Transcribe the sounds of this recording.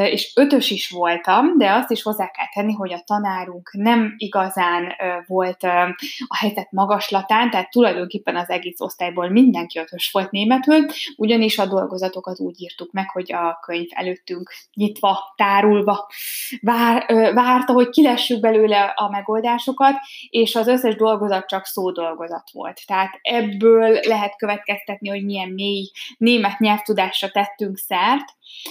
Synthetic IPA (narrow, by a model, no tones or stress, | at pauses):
eːʃøt̪ø̞ʃiʃʋo̞lt̪ɒmd̪ɛɒst̪iʃho̞zːaːlkɛlt̪ɛnːiɦo̞ɟɒt̪ɒnaːɾuŋknɛmiɡɒzaːnvo̞lt̪ɒhɛjzɛt̪mɒɡɒʃlɒt̪aːnt̪ɛɦaːt̪ːulɒjd̪o̞ŋkeːpːɛnɒzɛɡeːso̞̰st̪aːjboːlmind̪ɛŋkiø̞t̪ø̞ʃʋo̞lt̪neːmɛt̪yluɟɒniʃɒd̪o̞lɡo̞zɒt̪o̞kɒt̪ṵːɟiːrt̪ukmɛkho̞ɟɒkøɲvɛ̰løːt̪ːyŋkɲit̪ʋɒt̪aːɾulvɒvaːrvaːrt̪ɒɦo̞ckilɛʃːyɡ̚bɛløːlɛɒmɛɡo̞ld̪aːʃo̞kɒt̪eːʃɒzø̞sːɛʒd̪o̞lɡo̞zɒt̪̚t͡ʃɒksoːd̪o̞lɡo̞zɒt̪ʋo̞̰lt̪ːɛɦaːt̪ɛbːøːlːɛɦɛt̪køvɛt̪kɛst̪ɛt̪niho̞ɟmijɛnːeːjneːmɛt̪ɲɛlft̪ud̪aːʃrɒt̪ɛt̪ːyŋksɛrt̪